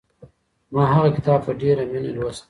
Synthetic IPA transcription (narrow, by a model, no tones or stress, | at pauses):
mɑːɦaɣakɪ̥t̪ɑːbfaɖeɾaminalwas